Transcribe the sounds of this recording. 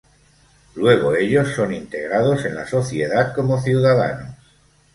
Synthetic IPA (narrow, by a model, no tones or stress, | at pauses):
lwe̞ɣ̞o̞e̞ʎo̞sːo̞nint̪e̞ɣ̞ɾað̞o̞se̞nla̰so̞θje̞ðat̪ko̞mo̞θjuwðaða̰nos